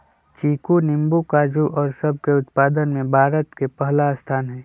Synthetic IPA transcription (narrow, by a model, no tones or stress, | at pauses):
t͡ʃiːkunɪmbukaːd͡ʒuʔɔːɾsəb̚ʱkeʊt̪paːd̪ənmẽbʱaːɾət̪kepəɦlast̪ʰaːnɦɛ̃ː